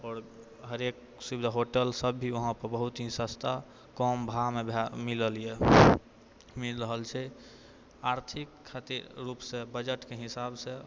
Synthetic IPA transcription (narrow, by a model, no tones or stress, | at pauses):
ɔːɾ | ɦəɾek | subd̪ʱaɦoʈəlsəbːʱiʋəɦãpəɾbəɦut̪ɦĩsəst̪ʰa | kɔmbʱamebamiləlije | milɾəɦəlt͡ʃʰɛ | aɾt̪ʰikʰːat̪iɾːupsẽbəd͡ʒəʈkeɦisabsẽ